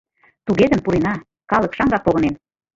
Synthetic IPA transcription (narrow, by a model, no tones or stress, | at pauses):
t̪uɣed̪ə̆mpuɾenɑ | kɑlɤ̆kʃɑŋɡɑk̚poɣɤ̆nem